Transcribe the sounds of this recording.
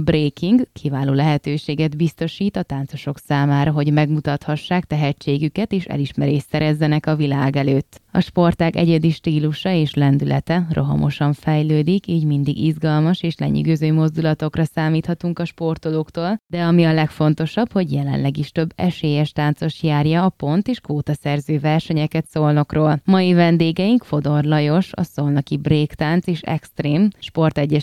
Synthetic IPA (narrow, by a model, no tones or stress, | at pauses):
breːkʰiŋɡkʰivaːloːlɛɦɛt̪øːʃeːɡɛd̪bist̪o̞ʃiːt̪ɒt̪aːnt̪so̞ʃo̞ksaːmaːɾɒɦo̞ɟmɛɡmut̪ɒt̪hɒʃːaːkt̪ɛɦɛt͡ʃːeːɡykɛt̪eːʃɛ̰liʃmɛɾeːʃsɛɾɛzːɛnɛkɒvilaːɡɛløːt̪ːɒ̰ʃpo̞rt̪akɛ̰ɟɛd̪iʃt̪iːluʃɒeːʃlɛnd̪ylʔɛ̰t̪ɛrʔo̞̰ɦɒ̰mʔo̞̰ʃɒɱfɛjløːd̪ikiːɟmind̪iɡizɡɒlmɒʃeːʃlɛ̰ɲy̰ɡøːzøːmo̞zd̪ulɒt̪o̞krɒsaːmiːt̪hɒt̪uŋkɒʃpo̞rt̪oloːkt̪oːld̪ɛɒmiɒlɛkfo̞nt̪o̞ʃɒbho̞ɟjɛlɛ̰nlɛɡiʃt̪ø̞bːɛ̰ʃeːjɛʃt̪aːnt̪so̞ʃjaːrjɒːpo̞nt̪eːʃkʋoːt̪ɒsɛrzøːvɛrʃɛɲɛkɛt̪solno̞kroːlmɒjivɛnd̪eːɡɛiŋkfo̞d̪o̞rlɒjo̞ʃɒ̰so̞lnɒkibreːkt̪aːnt̪seːʃɛ̰kst̪reːmʃpo̞rt̪ɛɟːɛ